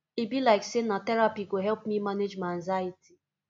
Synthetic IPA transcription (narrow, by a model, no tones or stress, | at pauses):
ebilaɪksenatɛɾapiɡoɦɛlpmimaned͡ʒmanzajiti̥